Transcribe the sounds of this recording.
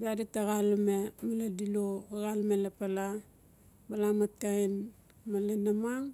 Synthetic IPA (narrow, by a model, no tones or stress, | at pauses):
biaditaɣalmemaladiloaɡalmelapala | balamatːain | malenamaŋ